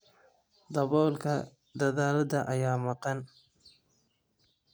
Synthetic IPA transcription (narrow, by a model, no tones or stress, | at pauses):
d̪ɐβɔːlkʰɐ | d̪ɐðaːlɐd̪ɐʔɐjaːmɑqɑn